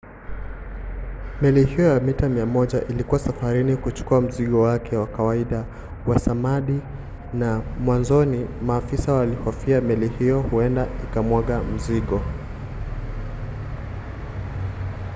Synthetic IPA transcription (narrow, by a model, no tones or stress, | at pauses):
mɛlihijɔjamitamiamɔʄaʔilikuwasafaɾinikut͡ʃu̥kuam̩ziɠɔwakʰɛwakawaiɗa | wasamaɗi | namwanzɔnimaːfisawalihɔfiamɛlihijɔhuɛndaikamwaɠam̩ziɠɔ